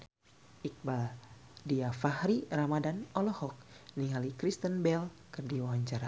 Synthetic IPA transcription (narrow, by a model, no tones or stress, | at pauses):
ʔik̚baldiafahɾiramadanɔlɔhɔk̚niɦalikɾist̪ənbɛlkɨrdiwawaɲt͡ʃaɾa